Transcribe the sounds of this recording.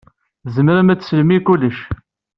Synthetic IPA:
zəmɾəmæt͡sːsəlmikulːəʃ

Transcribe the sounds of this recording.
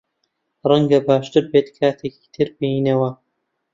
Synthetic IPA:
rɐŋɡɐbaːʃt̪ɨɾbeːt̪kʰaːt̪ʰeːki̥ːt̪ʰɨɾbijinɐwɐ

